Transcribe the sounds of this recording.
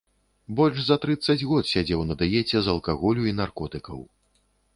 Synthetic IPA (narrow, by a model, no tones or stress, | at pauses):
bɔlʲʐzɐt̪ɾɨt̪sːɐd͡zʲɣɔt̪sʲad͡zʲɛwnɐd̪ɨjɛt͡sʲɛzɐlˠkaɣɔlʲuinarkɔt̪ɨkɐ̰w